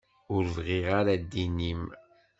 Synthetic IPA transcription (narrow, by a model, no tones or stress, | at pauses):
ʊɾvʁiʁaɾad̪ːinim